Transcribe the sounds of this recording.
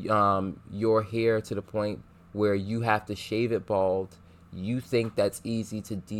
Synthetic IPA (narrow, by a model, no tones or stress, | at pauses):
ʌ̃mjə˞ɦiɹɾɨðəpʰɔ̃ɪ̃ntʔ̚ | wə˞jɨɦæftɨʃeɪvɨt̚b̥ɔlˠd̥ | jɨθɪ̃ŋk̚ðætsiziɾɨdi